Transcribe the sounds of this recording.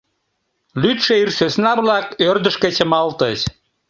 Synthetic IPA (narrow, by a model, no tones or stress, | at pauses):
lyt̪ʃeirsøsnɑβlɑkørd̪əʃket͡ɕəmɑlt̪əɕ